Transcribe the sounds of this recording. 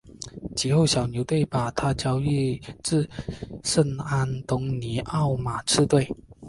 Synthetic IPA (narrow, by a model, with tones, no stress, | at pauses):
t͡ɕʰi˨˥xo˥˩ʊɕjɑ˨˩ʊnjo˧˥ʊt̪we˥˩ɪpa˨˩t̪ʰa˥t͡ɕjɑ˥ʊi˥˧t͡sɹ̩˥˧ʂə˥˩na˦˥nt̪ʊ˧˥ŋni˧˥ʔɑ˥˩ʊma˨˩ʈ͡ʂʰɻ̩˥˧t̪we˥˩ɪ